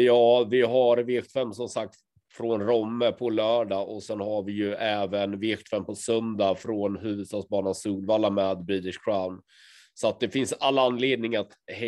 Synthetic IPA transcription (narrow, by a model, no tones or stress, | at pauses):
jɑːvɪɦaɾveːkt̪fɛmːsɔmsak̚t̪ | fɾɔnɾɔmːəpʰɔlœːɖaʔɔsɛnhaɾvɪjɵʔɛːvənveːkt̪fɛmpɔsœnd̪afɾɔnɦʉ̟ːvɵd̪st̪ɑːɡsbɑːnansuːlvaːlːamɛːd̪bɾɪt̪ɪʂkʰɾaʊn | sɔat̪̚d̪ɛfɪnsalːaanːleːd̪̚nɪŋat̪h